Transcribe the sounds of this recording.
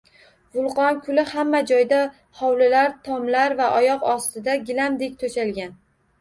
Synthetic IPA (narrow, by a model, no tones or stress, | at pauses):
vʊlˠqɒnkʰʊlɪhamːad͡ʒɒjd̪a | hɒwlɪlaɾt̪ʰɒmlaɾvaʔɒjɒqɒst̪ɪd̪aɡʲɪlamd̪e̞kʲt̪ʰoʃalɡʲan